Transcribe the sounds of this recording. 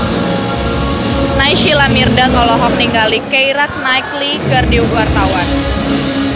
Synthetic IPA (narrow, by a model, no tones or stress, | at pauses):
najʃilamirdaŋɔlɔɦɔk̚niŋɡalikejɾak̚najkliɡardiuwart̪awan